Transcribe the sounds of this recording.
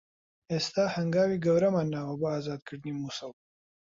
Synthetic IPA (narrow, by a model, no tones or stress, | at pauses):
est̪aːhɐŋɡaːwiɡɐwɾɐmanːaːwɐbaːzɑːd̪̚kəɽnimusɐw